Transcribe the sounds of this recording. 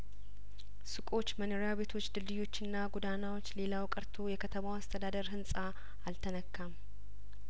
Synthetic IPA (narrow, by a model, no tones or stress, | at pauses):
sɨkʼo̞t͡ʃːmənoɾjaβe̞t̪ʰo̞t͡ʃːd̪ɨld̪ɨjo̞t͡ʃːɪnːaɡud̪anawo̞t͡ʃːlelawkʼɨɾt̪ʰojɛkʰət̪ʰəmawast̪ʰəd̪ad̪əɾɦɨnsʼaː | lt̪ʰənəkːam